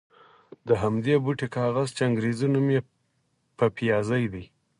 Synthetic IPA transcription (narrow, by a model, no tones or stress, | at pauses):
d̪əɦamd̪ebuʈekɑɣazt͡ʃeaŋɡɾezunumje | pəpijɑzajd̪ij